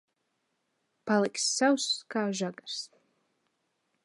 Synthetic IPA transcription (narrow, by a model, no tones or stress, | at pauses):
palɪksːawskaːʒaɡars